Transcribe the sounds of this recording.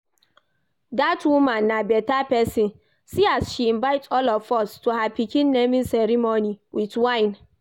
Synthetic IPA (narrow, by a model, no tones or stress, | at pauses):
datwumãnːabɛtapɛsĩn | siasʃiĩnvaɪtʰɔlɔfɔstuhapikĩnːẽmĩnsɛɾimoniwitwãɪ̃n